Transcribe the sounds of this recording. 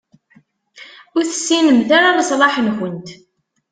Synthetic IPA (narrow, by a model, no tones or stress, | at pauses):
ʊɾθəsːinəmθaɾaðəsˤlɑħənxənt̪